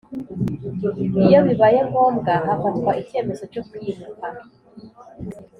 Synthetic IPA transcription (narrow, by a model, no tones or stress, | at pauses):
ijo̞βiβaje̞ŋɡo̞ːmɡahafatkwaʔice̞ːme̞zo̞cokujiβuka